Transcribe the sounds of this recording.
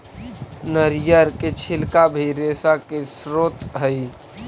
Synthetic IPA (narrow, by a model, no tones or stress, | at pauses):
nəɾjəɾket͡ʃʰɪlkabʱiɾesakesɾot̪ɦəj